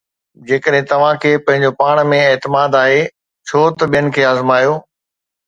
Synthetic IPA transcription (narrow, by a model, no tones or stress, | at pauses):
d͡ʑeːkəɗɦɪ̃t̪ɐʋ̤ãkʰeːpɐ̃ɦɪ̃ɲ̆d͡ʑopaːɽ̃mẽeːt̪ɪmaːd̪aːɦe | t͡ɕʰoːt̪ɐɓijənɪ̆kʰeːaːzmaːjoː